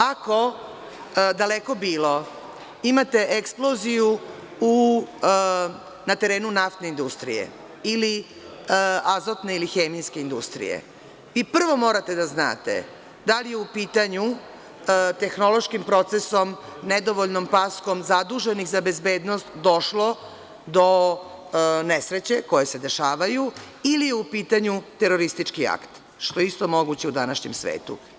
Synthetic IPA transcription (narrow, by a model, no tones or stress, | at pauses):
ako̞ | d̪aleko̞biːlo̞ | imat̪e̞ʔeksplo̞ziju | u | nat̪e̞ɾe̞ːnunaft̪ne̞ind̪ust̪ɾḭjḛ | ili | azot̪ne̞ilixe̞ːmijske̞ind̪ṵst̪ɾḭjḛ | ʋipr̩ʋo̞mo̞ɾat̪e̞d̪azna̰ːt̪ḛ | d̪alijeupiːt̪aɲu | t̪e̞xno̞lˠo̞ʃkimpɾo̞t̪seso̞mned̪o̞ʋoʎnompasko̞mzad̪uʒenixzabe̞zbe̞ːd̪nost̪d̪o̞ʃlo̞ | d̪o̞ | nesɾe̞t͡ɕe̞ko̞je̞se̞d̪e̞ʃaːʋaju | ilijeupiːt̪aɲut̪eɾo̞ɾist̪it͡ʃkia̰kt̪ | ʃt̪o̞jeist̪o̞mo̞ɡut͡ɕeud̪anaʃɲemsʋḛːt̪ṵ